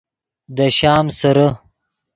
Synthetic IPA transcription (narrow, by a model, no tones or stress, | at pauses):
d̪əʃɑːmsɐɾa